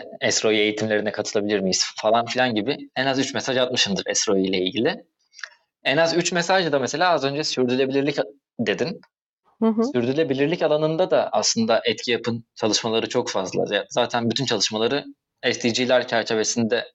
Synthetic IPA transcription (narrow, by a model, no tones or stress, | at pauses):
ɛst̪ɾo̞je̞jit̪ʰimlʲe̞ɾinɛkʰat̪ʰɯlˠabilʲiɾmijisfalˠanfilʲanɟibɪɛnazyt͡ʃmɛsaʒat̪̚mɯʃɯnd̪ɯɾɛst̪ɾo̞jijlʲɛilʲɟilʲɪ | ɛnazyt͡ʃmesaʒad̪amese̞lʲaːazø̞nd͡ʒɛsyɾd̪ylʲe̞bilʲiɾlʲic | d̪e̞d̪in | ɦsyɾd̪ylʲe̞bilʲiɾlʲicalˠanɯnd̪ad̪aʔaslˠɯnd̪aʔɛt̪cʰijapʰɯnt͡ʃʰalˠɯʃmalˠaɾɯt͡ʃʰo̞kfazlˠa̰zaːt̪ʰænbyt̪ʰynt͡ʃʰalˠɯʃmalˠaɾɯ | ɛsid͡ʒilʲæɾcʰæɾt͡ʃʰe̞ve̞sind̪ɛ